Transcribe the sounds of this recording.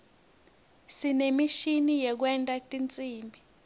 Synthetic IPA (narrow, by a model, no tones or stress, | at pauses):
sinemiʃinijɛk̬wɛntʼatʼint͡sʼiːmbʱi